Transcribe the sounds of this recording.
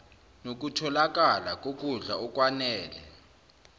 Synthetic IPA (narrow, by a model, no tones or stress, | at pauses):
nok̬utʰɔlak̬ʼalak̬ʼok̬ʼund͡ɮʱaɔk̬ʼwanɛːlɛ̰